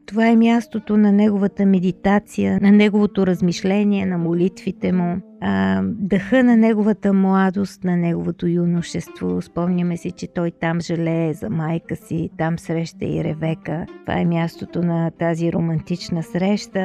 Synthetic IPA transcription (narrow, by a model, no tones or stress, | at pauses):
t̪ovaɛmjast̪ot̪onɐnɛɡovət̪əmɛd̪it̪at̪sijənɐnɛɡovot̪oɾəzmiʃlɛnʲiɛnɐmolit̪vit̪ɛmuəd̪ɐxɤnɐnɛɡovət̪əmlˠad̪ost̪nɐnɛɡovot̪ojunoʃɛst̪vo̰spɔmnʲəmɛsɛt͡ʃɛt̪ɔjt̪amʒɛlɛːzɐmajkəsit̪amsɾɛʃt̪ə̰ḭɾɛ̰vɛkət̪ova̰ɛmʲjast̪ot̪onɐt̪aziɾomɐnt̪it͡ʃnəsɾɛʃt̪ə